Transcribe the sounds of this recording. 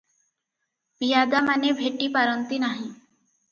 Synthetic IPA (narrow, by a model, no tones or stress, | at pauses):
bijad̪amanebʱeʈipaɾənt̪inaɦĩ